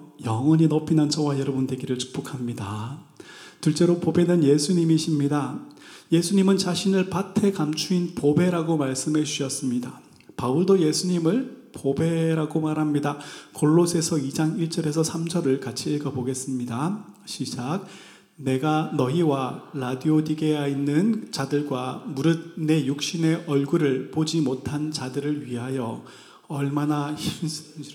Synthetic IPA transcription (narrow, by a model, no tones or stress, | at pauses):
jʌŋwʌɲinopʰinant͡ɕʰʌwajʌɾʌbunde̞ɡiɾɯɭt͡ɕʰu̥k̚p͈okʰamɲida | tuɭt͡ɕ͈e̞ɾopobe̞nɯnje̞sʰuɲimiɕʰimɲidaje̞sʰuɲimɯnt͡ɕaɕʰinɯɭpatʰe̞kamt͡ɕʰuinpobe̞ɾaɡomaɭs͈ɯmɦe̞d͡ʑuɕʰʌs͈ɯmɲida | pauɭdoje̞sʰuɲimɯɭpobe̞ɾaɡomaɾɦamɲidakʰoɭːosʰe̞sʰʌid͡ʑaŋiɭt͡ɕ͈ʌɾe̞sʰʌsʰamd͡ʑʌɾɯɭkat͡ɕʰiːɭɡʌboɡe̞s͈ɯmɲida | ɕʰid͡ʑaɡ̚ | ne̞ɡanʌiwaɾadiodiɡe̞jainːɯnt͡ɕadɯɭɡwamuɾɯd̚ne̞juk̚ɕ͈ine̞ʔʌɭɡuɾɯɭpod͡ʑimotʰant͡ɕadɯɾɯɭɥiɦajʌ | ʌɭmanaçis